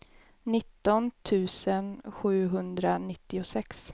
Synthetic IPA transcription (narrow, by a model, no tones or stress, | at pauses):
nɪt̪ːɔnt̪ʰʉ̟ːsənɧʉ̟ːɦɵnd̪ɾanɪt̪ːɪʊsɛks